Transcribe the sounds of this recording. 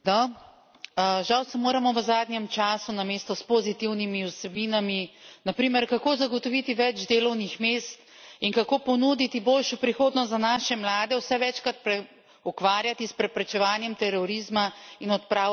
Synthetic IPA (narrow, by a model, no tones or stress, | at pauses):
d̪ɔ | ʒawsɛmoːɾamɔʋəzaːd̪njɛmt͡ʃaːsunameːst̪ɔspozit̪iwnimiusɛbiːnaminapɾiːmɛɾkakoːzaɡɔt̪ɔʋit̪iʋɛd͡ʒd̪eːlɔwnixmeːst̪ | iŋkakoːpɔnud̪it̪iboːlʃɔpɾixoːd̪nɔs̬t̪zanaʃɛmlaːd̪ɛwsɛʋɛt͡ʃkɾat̪̚pɾɛ | ukʋaːɾjat̪ispɾɛpɾɛt͡ʃɛʋaːnjɛmt̪ɛɾɔɾizmainɔt̪̚pɾaː